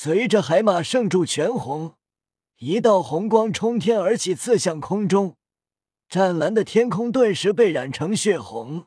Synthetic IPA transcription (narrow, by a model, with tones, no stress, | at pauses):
swe˧˥ɪʈ͡ʂə˥˧xa˧˥ɪma˨˩ʂɤ˥˧ŋʈ͡ʂu˥˩t͡ɕʰɥɛ˧˥nxʊ˧˥ŋ | i˧˥t̪ɑ˥˩ʊxʊ˧˥ŋkwɑ˥ŋʈ͡ʂʰʊ˥ŋt̪ʰjɛ˥nə˞˧˥t͡ɕʰi˨˩t͡sʰɹ̩˥˧ɕjɑ˥˩ŋkʰʊ˥ŋʈ͡ʂʊ˥ŋ | ʈ͡ʂa˥˩nla˧˥nd̪ə˨t̪ʰjɛ˥nkʰʊ˥ŋt̪wa˥˩nʂɻ̩˧˥pe˥˩ɪɻa˨˩nʈ͡ʂʰɤ˧˥ŋɕɥɛ˥˩xʊ̰˧˥ŋ